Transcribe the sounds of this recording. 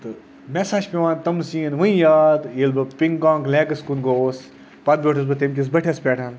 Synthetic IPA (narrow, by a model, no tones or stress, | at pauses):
t̪ɨ | mesaːʃpʲeʋãːnt̪ɐmsiːnʋɨ̃ĩjaːd̪jelbɐpiŋkãːŋkleːɡɐskunɡoːs | pɐt̪̚bʲoːʈʰɐsbɐt̪emk̬ʲis̬bɐʈʰʲespʲeːʈʰan